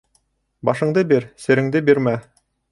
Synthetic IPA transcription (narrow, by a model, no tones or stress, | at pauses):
bɑʃɤ̆ɴd̪ɤbiɾsɘ̆ɾɘ̆ŋd̪ɘbiɾmæ